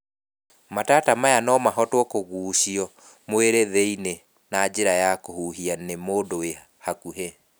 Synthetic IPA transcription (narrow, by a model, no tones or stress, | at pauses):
matatamajanɔmaɦɔtwɔkoɣuːʃiɔ | mweɾeðeine | nad͡ʑeɾajakohuɦianemoːdowe | hakuɦe